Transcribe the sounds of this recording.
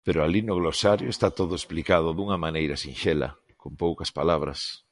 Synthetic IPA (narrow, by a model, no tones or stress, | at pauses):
peɾʊalinʊɣlosaɾjʊest̪at̪oðʊesplikað̞ʊðuŋɐmanejɾɐsinʃelɐ̰ | kompowkɐspalaβɾɐ̰s